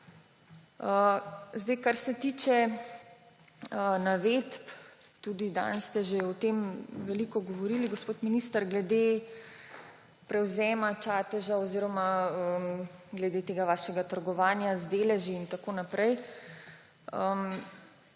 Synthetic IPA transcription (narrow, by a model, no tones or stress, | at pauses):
əzd̪ɛjkaɾsɛt̪iːt͡ʃɛ | ənaʋet̪p | t̪ud̪id̪a̰nst̪ɛʒeɔt̪emʋɛlikɔɡɔʋɔɾiːliɡospoːt̪miniːst̪əɾɡlɛd̪e | pɾɛwzɛːmat͡ʃaːt̪ɛʒaɔziːɾɔmaəmɡlɛd̪eːt̪eːɡaʋaːʃɛɡat̪əɾɡɔʋaːnjazd̪eːlɛʒiːnt̪akoːnapɾɛj | əm